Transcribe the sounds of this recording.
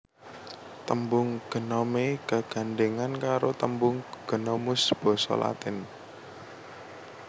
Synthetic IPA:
t̪əmbʊŋɡ̥ə̤nɔmeɡ̥a̤ɡ̥a̤nɖeŋankaɾot̪əmbʊŋɡ̥ə̤nɔmʊsb̥ɔ̤sɔ̰la̰t̪ɪn

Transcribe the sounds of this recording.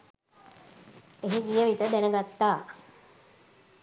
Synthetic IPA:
eɦiɡijəʋit̪əd̪ænəɡat̪ːaː

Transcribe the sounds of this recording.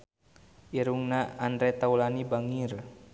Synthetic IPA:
ʔiɾuŋnaandɾɛt̪aulanibaŋir

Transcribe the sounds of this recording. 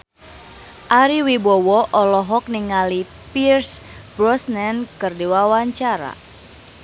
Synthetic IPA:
ʔaɾiwibɔwɔʔɔlɔɦɔk̚niŋali | pirs | b̥ɾɔsnɛnkɨrdiwawaɲt͡ʃaɾa̰

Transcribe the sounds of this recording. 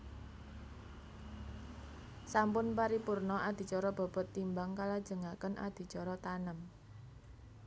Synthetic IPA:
sampʊnpaɾipurnɔʔad̪̥i̤t͡ʃɔɾɔb̥ɔ̤b̥ɔ̤t̪ːimbaŋkalad̥ʒ̥ə̤ŋakənʔa̰d̪̥i̤t͡ʃɔɾɔt̪anəm

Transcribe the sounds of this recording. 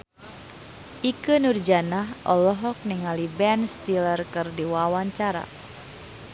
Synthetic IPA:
ʔikənurd͡ʒanaɦʔɔlɔɦɔk̚niŋalibɛnst̪ilərkɨrdiwawaɲt͡ʃaɾa̰

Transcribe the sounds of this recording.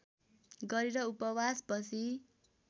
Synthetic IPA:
ɡʌɾiɾʌupʌwaspʌt͡sʰi

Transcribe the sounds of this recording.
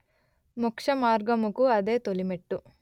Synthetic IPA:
mukʂɐmaːɾɡɐmukuɐd̪e̞ːt̪olimeʈːu

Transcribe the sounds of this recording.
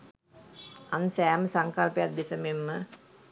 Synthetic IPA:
ansæːməsaŋkalpejat̪̚d̪esəmemːə

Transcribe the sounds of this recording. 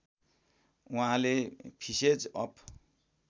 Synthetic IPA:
uɦãlepʰised͡zʌpʰ

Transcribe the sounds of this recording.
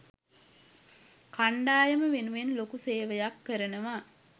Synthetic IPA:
kaɳɖaːjəməʋenuʋenlokuseːʋəjakːəɾənəʋaː

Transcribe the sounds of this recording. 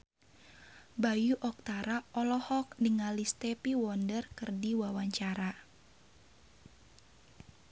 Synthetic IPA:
bajuʔɔk̚t̪aɾaʔɔlɔhɔk̚niŋalist̪ɛpiwɔndərkərdiwawaɲt͡ʃaɾa

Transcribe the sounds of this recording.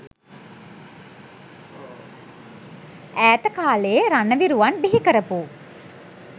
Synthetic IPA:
æːt̪əkaːlejeɾanəʋiɾuʋanbiɦikəɾəpu

